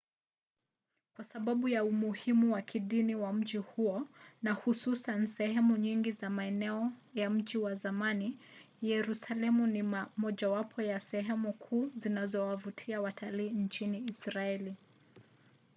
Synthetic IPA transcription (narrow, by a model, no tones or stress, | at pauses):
kwasaɓaɓujaumuhimuwakʰiɗiniwam̩ʄihuɔnahususansɛhɛmuɲiŋɡizamaɛnɛɔjam̩ʄiwazamani | jɛɾusalɛmuniamɔʄawapʰɔjasɛɦɛmukʰuːzinazɔwavutʰiawatʰaliːnt͡ʃiniːsɾaɛli